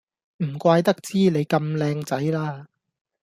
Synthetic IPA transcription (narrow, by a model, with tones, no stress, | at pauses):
m̩˨˩kʷaː˧jt̪ɐ˥k̚t͡siː˥ne˨˧jkɐ˧mlɛː˧ŋt͡sɐ˨˥jlaː˥